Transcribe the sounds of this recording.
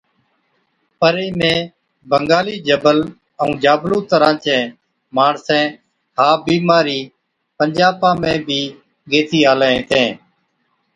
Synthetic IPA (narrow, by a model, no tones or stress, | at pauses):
pəɾeːmẽː | bʱəŋɡaːliːd͡ʒəbəl | əũːd͡ʒaːblõːt̪əɾãːt͡ʃɛ̃ː | maːɳsɛ̃ː | haːbiːmaːɾiː | pəɲd͡ʒaːpãːmẽːbʱiː | ɡeːt̪iːaːlːẽːt̪ʰẽː